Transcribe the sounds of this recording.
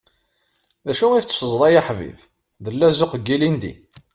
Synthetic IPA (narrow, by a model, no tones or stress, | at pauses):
ðæʃuŋiθt͡sːə̥fəzˤlˤɑjaħvḭv | ðəlːæzʊqəɡːilind̪ḭ